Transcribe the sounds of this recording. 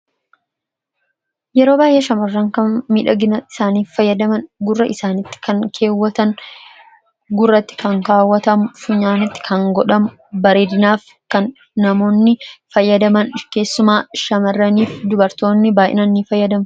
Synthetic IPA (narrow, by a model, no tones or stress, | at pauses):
jɛɾo̞ːbaːjʔeːʃɐmɐrːɐŋkɐnmiːᶑɐɡɪnɐɪ̥saːniːffɐjːɐd̪ɐmɐnɡʊrːɐʔɪsaːnɪt̪ːɪ̥kɐŋkʰe̞ːwːɐt̪ɐŋ | ɡʊrːɐt̪ːɪ̥kɐŋkaːwːɐt̪ɐmʊfʊɲaːnɪt̪ːɪ̥kʰɐŋɡɔᶑɐmʊ | bɐɾeːd̪ɪnaːf | kɐnː | ɐmo̞ːnːɪfɐjːɐd̪ɐmɐnke̞ːsːʊmaːʃɐmɐrːɐniːfd̪ʊbɐɾt̪o̞ːnːɪbaːjʔɛ̰nɐnːiːfɐjːɐd̪ɐmʊ